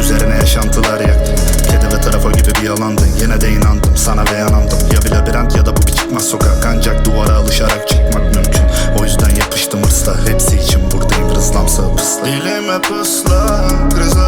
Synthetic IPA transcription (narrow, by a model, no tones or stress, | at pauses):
yzeɾinɛjaʃand̪ɯlˠaɾja | cʰed̪ɛvɛt̪ʰaɾafaɟibibijalˠand̪ɯjenɛd̪ɛinand̪ɯmsanabɛjanand̪ɯmjabilʲabiɾant̪jad̪abubit͡ʃʰi̥kmaso̞kʰakand͡ʒak̚d̪uvaɾaːlˠɯʃaɾakt͡ʃʰɯ̥kmakmymcʰyno̞jyzd̪ænjaqʰɯ̥ʃt̪ʰɯmɯɾsahɛpsiːt͡ʃʰinbuɾd̪aɾɯzlˠamsɯpʰɯ̥sˠailɛmɛpʰɯslˠa